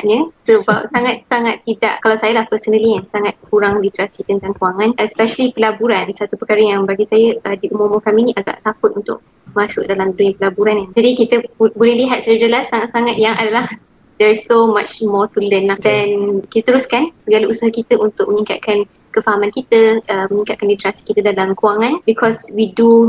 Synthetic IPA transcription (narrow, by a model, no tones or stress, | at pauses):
ɲəsəbap̚saŋat̪̚saŋat̪ːida̰ʔkalawsajəlahpəsənə̃liansaŋat̪̚kuɾaŋdit̪ɾasit̪ənt̪ãŋkuaŋãnʔɛspɛʃəlipəlabuɾansat̪upəkaɾəjaŋbaɡisajəədiʔumumʊkaminĩʔaɡa̰ʔt̪akʊt̪̚unt̪ʊ̰ʔ̚ | masʊʔ̚dalamduɲəpəlabuɾanad͡ʒadikit̪əbolɛhliɦat̪̚sɾidəlahsaŋat̪̚saŋat̪̚jaŋʔadalah | dɛɹsːomat͡ʃmɔt̪ulənadɛnkit̪at̪əɾuskansəɡalausaɦakit̪əʔunt̪ʊkʔ̚mə̃nĩŋka̰t̪̚kʰan | kəfaɦamãnkit̪əəmənĩŋkat̪̚kanlit̪ɾasi̥kit̪ədalamkuaŋãnbikʰɔswidu